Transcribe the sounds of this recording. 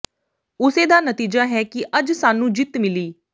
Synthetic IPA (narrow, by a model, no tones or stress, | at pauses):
ʊseːd̪aːnət̪iːd͡ʒaːɦɛːkɪʔəd͡ʒsaːnũːd͡ʒɪt̪mɪliː